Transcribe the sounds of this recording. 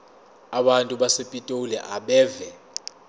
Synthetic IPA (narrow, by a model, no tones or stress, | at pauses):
aɓantʼuɓasepʼitʼolɛ̰ʔaɓɛːvɛ